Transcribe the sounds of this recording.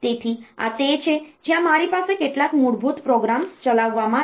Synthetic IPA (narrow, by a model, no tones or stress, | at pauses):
t̪et̪ʰia̰t̪et͡ɕʰed͡ʑjãmaɾipasekeʈlakmuɽbʱut̪pɾɔɡɾamst͡ɕəlaʋːamã